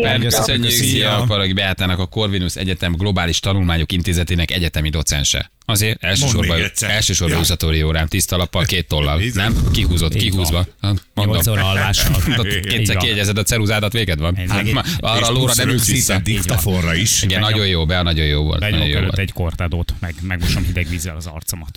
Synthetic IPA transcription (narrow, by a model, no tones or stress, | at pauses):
ɛsøɲeiɒpɒɾoɡibɛjaːt̪aːnɒkɒko̞rvinusɛ̰ɟɛt̪ɛmɡlo̞baːliʃt̪ɒnulmaːɲo̞kint̪eːzɛt̪eːnɛkɛɟɛt̪ɛmid̪o̞t̪sɛ̰nʃɛ̰ | ɒzeːɾɛlʃøːʃo̞bɒɛlʃøːʃo̞rbɒusɒt̪oːɾijoːɾaːmt̪ist̪ɒlɒpːɒlkeːt̪ːolːɒ̰lnɛmkiɦuːzo̞t̪ːkiɦuːzʋɒmondomːʃ | eːsɛɾkijɛɟɛzɛd̪ɒt̪sɛɾuzaːd̪ɒt̪ʋeːɡɛd̪ʋɒn | ɒrɒloːɾɒnɛid̪ikt̪ɒfonrɒiʃiɡɛnnːɒɟo̞joːbɛnɒɟo̞joːvo̰lt̪nɒɟojo̰o̰lt̪ːɛɟkort̪ad̪oːt̪mɛɡmɛɡmoʃɔmhid̪ɛɡʋiːzːɛlɒzɒ̰rt̪somɒt̪